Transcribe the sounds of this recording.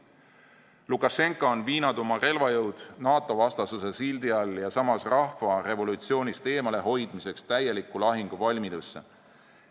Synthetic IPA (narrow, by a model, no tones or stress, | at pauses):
lukːˑɑʃe̞ŋkːˑoonviːnɑd̪omɑre̞lvɑjɤwd̪̥nɑːt̪ːˑo̞vɑst̪ɑsuse̞sild̪iɑljɑsɑmɑsrɑhfɑre̞vo̞lut̪sio̞ːnʲist̪e̞ːmɑle̞ɦo̞jd̪̥mise̞kst̪æje̞likːˑulɑɦiŋɡ̥uvɑlʲmid̪usːḛ